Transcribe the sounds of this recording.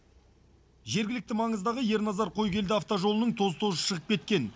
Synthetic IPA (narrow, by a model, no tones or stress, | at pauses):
ʒe̞ɾɡʲɪlɪk̚t̪ɪmɑɴəzd̪ɑʁəje̞ɾnɑzɑɾqʰo̞jkʲʰe̞ld̪ɪaft̪oʒo̞lˠənəɴt̪ʰo̞zt̪ʰozəʃəʁəp̚kʲʰe̞t̪kʲe̞n